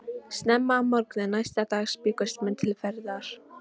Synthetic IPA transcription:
st̪nɛmːaːmɔɾknɪnajst̪at̪aːɣspɪːkʏst̪mɛnt̪ʰɪlfɛɾðaɾ̥

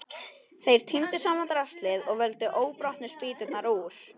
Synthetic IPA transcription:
θejɾ̥t̪ʰint̪ɪsaːmant̪ɾast̪lɪðɔɣvɛlt̪ɪʔoːwpɾɔht̪nɪ̥spiːt̪ʏt̪naɾuɾ̥

